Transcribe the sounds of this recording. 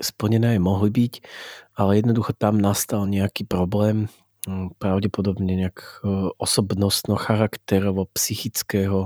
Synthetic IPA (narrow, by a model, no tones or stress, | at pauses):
spl̩ɲɛnɛːɛmɔɦlibicalɛjɛd̪nɔd̪uxɔt̪amnast̪alɲɛakiːpɾɔblɛːm | pɾaʊɟɛpɔd̪ɔbɲɛɲɛakʔɔsɔbnɔst̪nɔxaɾakt̪ɛɾɔʋɔpsixit͡skɛːɦɔ